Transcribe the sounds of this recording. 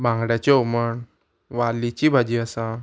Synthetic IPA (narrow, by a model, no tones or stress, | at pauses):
bãŋɡɽjat͡ɕeoməɳ | ʋalit͡ɕibʱad͡ʑiasã